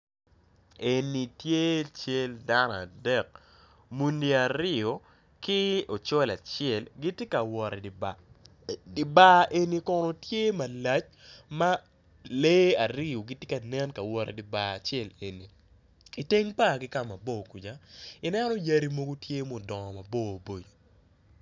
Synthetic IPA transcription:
e˨ni˨tje˦t͡ʃe˦lda˦nɔ˨a̰˨dɛ˦k̚ | mu˦ndi˦a˨ɾɪ˦o˨ | kɪ˦o˨t͡ʃɔ˦la˨t͡ʃɛ˦˨lɡi˦tje˦ka˨wɔ˨ɾɛ˨b | di˨ba˦ʔe˨ni˦kɔ˦no˦tje˦ma˨la˦t͡ʃ | ma˦ | le˦a˨ɾɪ˦o˨ɡɪ˦tje˦ka˨nɛ˦nka˨wɔ˨ɾḛ˨dɪ˨˦ba˦˨t͡ʃjɛ˦le˨ni˨ | i˨te˦ŋpa˦˨ɡɪ˦ka˦˨ma˨bo˦˨ku˨d͡ʒa˨ɪ˨nɛ˦nɔ˦ja˦ɾi˦mo˦ɡo˦tje˦mo˨dɔ˨ŋɔ˨ma˨bo˦˨bo˨d͡ʒo˨

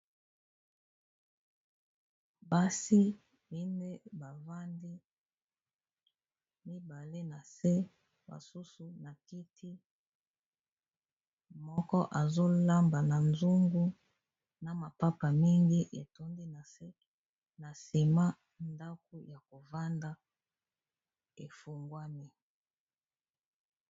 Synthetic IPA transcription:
ba˦si˦ | bi˦nde˦ba˨va˦ndi˦ | mi˦ba˨le˦na˨se˦ | ba̰˨su˦su˨na˨ki˦tʰi˦ | mɔ˦kɔ˦ʔa˨zo˦la˦mba˨na˨nzu˦ŋɡu˦ | na˨ma˨pa˦pa˨mi˦ŋɡi˦ʔe˨to˦ndi˦na˨se˦ | na˨si˨ma˦ | nda˦k̚o˦ja˨ko˨va˦nda˦ | e˨fu˨ŋɡwa˦ni˦

